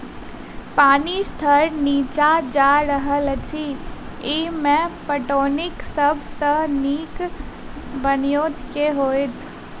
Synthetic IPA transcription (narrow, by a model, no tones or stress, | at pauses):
paːnist̪ʰəɾniːt͡ʃad͡ʒaɾəɦəlt͡ʃʰi | imẽpəʈoːnɪksəbʱsəniːk | bənijoːt̪keɦoːjt̪ʰ